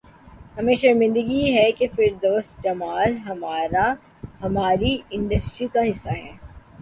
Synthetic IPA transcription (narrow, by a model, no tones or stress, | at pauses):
hɐmẽːʃɐɾmɪ̃nd̪əɡiɦɛkefɪɾd̪oːst̪d͡ʒɐmaːlɦɐmaːɾa | hɐmaːɾiɪ̃ɳɖəsʈɾikaɦɪsːaɦɛː